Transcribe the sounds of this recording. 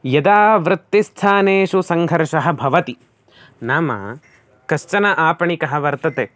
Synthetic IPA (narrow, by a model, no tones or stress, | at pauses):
jɐd̪aːʋɾɪt̪ːist̪ʰaːneːʃusɐŋɡʱɐɾʂɐɦɐ̆bʱɐʋɐt̪i | naːmɐ̰ | kɐʃt͡ʃɐnɐʔaːpɐɳikɐɦɐ̆ʋɐɾt̪ɐt̪eː